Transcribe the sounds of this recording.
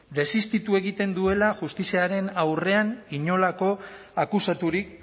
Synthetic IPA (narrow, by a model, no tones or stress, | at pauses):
d̪e̞sist̪it̪ue̞ɣ̞it̪e̞nd̪ue̞laʝust̪isiaɾe̞nawre̞aniɲo̞lako̞ | akusat̪uɾik